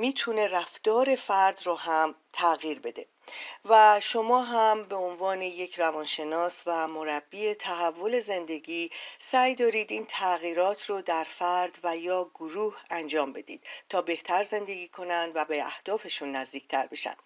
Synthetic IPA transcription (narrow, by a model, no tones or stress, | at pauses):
miːt̪ʰune̞ræfd̪̥ɒːɾe̞fæɾd̪roɦæmt̪ʰæɣiːɾbe̞d̪e̞ | væʃo̞mɒːɦæmbe̞onvɒːne̞je̞cʰrævɒːnʃe̞nɒːsvæmo̞ɾæbːiːet̪ʰæɦævːo̞le̞ze̞nd̪e̞ɡiːsæjd̪ɒːɾiːd̪iːnt̪ʰæɣiːɾɒːt̪ʰrod̪æɾfæɾd̪væjɒːɡoɾuːhænd͡ʒɒːmbe̞d̪ḭːd̪̥t̪ʰɒːbe̞ht̪ʰæɾze̞nd̪e̞ɡʲiːkʰo̞nænd̪væbeæ̰hd̪̥ɒːfe̞ʃunːæzd̪iːc̚t̪ʰæɾbe̞ʃæ̰nd̪̥